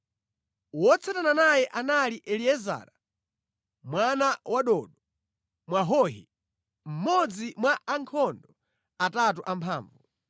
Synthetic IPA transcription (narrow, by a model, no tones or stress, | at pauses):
wɔt͡sʰatananajɛʔanaliʔɛliɛza̰ːɾa | mwanawaɗɔːɗɔ | mwaɦɔːɦḭ | m̩mɔd͡zimwaaŋkʰɔndɔ | atat̬uʔampʰaːɱvu